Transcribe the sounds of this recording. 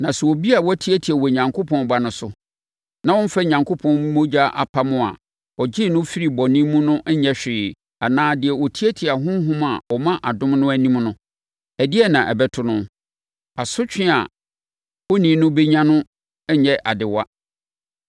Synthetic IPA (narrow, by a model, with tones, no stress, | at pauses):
nã˨sɛ˨wɔ˨bi˦a˨wɔ˦tʰi˦æ˦tʰi˨æ˨wɔ˨ɲã˨ŋkʰo˦pʰɔ̃˦nba˦nʊ̃˦sʊ˨ | nã˨wɔ̃˦n̩˦fɛ˦ɲã˨ŋkʰo˦pʰɔ̃˦n˦mo˦d͡ʑa˦ʔa̰˨pʰa˦mʊ̃˦a̰˨ | ɔ˨d͡ʑɪ˦˨nʊ̃˦fi˦ɾi˨bɔ˨nĩ˦mũ˦nʊ̃˦ʔɲɛ˦ɕᶣɪː˨ | a˨nãː˦dɪ˨ɛ˨wɔ˨tʰi˦æ˦tʰi˨a˨ɦʊ̃˦ɦũ˦ma̰˨ɔ˨mã˦ʔa˨dʊ̃˦mnʊ̃˦æ˦nĩ˦mnʊ̃˦ | æ˨dɪ˦ɛ˦nã˨ʔɛ̰˨bɛ˦tʰʊ˦nʊ̃˦ | a˨sʊ˦t͡ɕᶣɪ̃˦a̰˨ | wɔ˦nĩ˨˦nʊ̃˦be˦ɲã˦nʊ̃˦ | ɛ˦ɲɛ˦ʔa̰˨dɪ˨wa˦